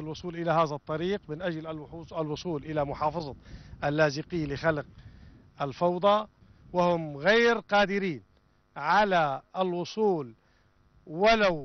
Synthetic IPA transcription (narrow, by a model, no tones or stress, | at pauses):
ɪlwʊsˤuːlʔɪlahaːðat̪ˤːɑɾiːqmɪnʔad͡ʒlalwʊsˤuːlʔɪlamʊħɑːfɑzˤɑʔalːaːzɪqɪːlɪxalɪq̚ | ʔalfɑwd̪ˤɑ | wɪhʊmɣeːɾqɑːd̪ɪɾiːn | ʕalaɪlwʊsˤuːl | wɪlaw